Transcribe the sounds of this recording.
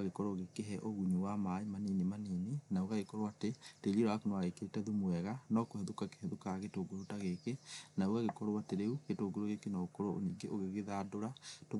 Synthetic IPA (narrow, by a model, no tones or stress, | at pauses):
aɣekɔɾoɣekeɦɛʔoɣuɲuwamaimaninemaninenaoɣaɣekɔɾowateteɾeɾaakonoaɣekeɾetɛðumwɛɣanɔkoheðokake̥heðokaɣetoːɡoɾotaɣekenaoɣaɣekɔɾowateɾeuɣetoːɡoɾoɣekenaokɔɾoo̰niːɡeʔoɣeɣeðadoɾato